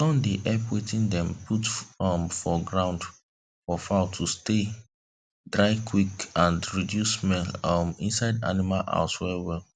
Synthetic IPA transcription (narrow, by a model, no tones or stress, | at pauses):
sɔ̃ndeʔɛpwetĩndɛ̃mpʰutɔmfɔɡɹãʊ̃nd | fɔfaʊtʰuste | dɹaɪkʰwikãndɹidjusmɛlmĩnsaɪda̰nimalʔa̰ʊswɛwɛl